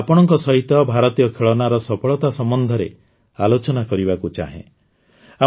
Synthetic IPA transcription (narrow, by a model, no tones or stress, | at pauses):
apɔɽ̃ɔŋkɔsɔɦit̪ɔbʱaɾɔt̪ijɔkʰeɭɔnaɾɔsɔpʰɔɭɔt̪asɔmbɔnd̪ʱɔɾḛ | alot͡ʃɔnakɔɾibakut͡ʃa̰ɦḛ̃ | a